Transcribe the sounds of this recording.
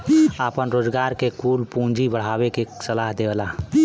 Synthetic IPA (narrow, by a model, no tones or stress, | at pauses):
apənɾoːd͡ʒɡaːɾkekuːlpũːnd͡ʒibəɽ̤aːwekeksəlaːɦd̪ela